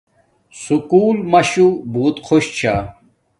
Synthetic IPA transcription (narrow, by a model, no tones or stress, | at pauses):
sukuːlmɐɕubuːt̪qʰoɕt͡ɕʰa